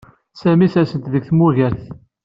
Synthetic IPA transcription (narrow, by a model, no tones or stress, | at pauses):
sæmisæsənt̪ðəɡθmʊʝæɾθ